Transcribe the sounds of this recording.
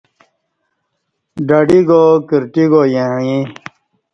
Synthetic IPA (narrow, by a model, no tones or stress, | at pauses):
ɖɐɖiɡokiɾʈiɡojẽĩ